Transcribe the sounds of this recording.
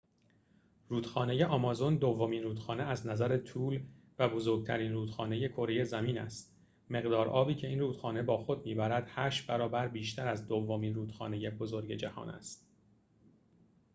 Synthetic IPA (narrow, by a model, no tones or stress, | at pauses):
ruːd̪xɒːne̞je̞ʔɒːmɒːzo̞nd̪o̞vːo̞miːnruːd̪̥xɒːneæznæzæɾe̞t̪ʰuːl | væbo̞zo̞ɾɡ̚t̪ʰæ̰ɾiːnruːd̪xɒːne̞je̞kʰo̞ɾe̞je̞zæmiːnæ̰st̪ | me̞ɣd̪ɒːɾʔɒːbiːcʰe̞iːnruːt̪xɒːne̞bɒːxo̞d̪̚miːbæɾæd̪̥hæːʃbæɾɒːbæɾbiːʃt̪ʰæɾæzd̪ovːo̞miːnɾuːd̪̥xɒ̰ːne̞je̞bo̞zo̞ɾɟe̞d͡ʒæhɒ̰ːnæ̰st̪̚